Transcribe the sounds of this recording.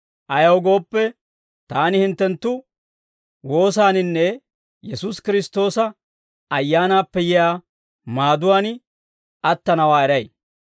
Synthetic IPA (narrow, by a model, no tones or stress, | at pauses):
ʔɐjɐwɡo̞ːpːɛ | t̪aːnɪhɪnt̪ːɛnt̪ːʊ | wo̞ːs̬aːnɪnːɛ | jɛsʊskɪɾɪst̪o̞ːsɐ | ɐjːaːnaːpːɛjɪjaː | maːd̪ʊwaːn | ɐt̪ːɐnɐwaːɛɾɐj